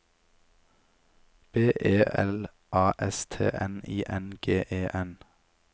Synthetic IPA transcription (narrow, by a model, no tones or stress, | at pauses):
b̥eːʔeːʔɛl | ʔɑːʔɛst̪ʰḛːʔɛnḭːʔɛnɡ̥eːʔeːʔɛn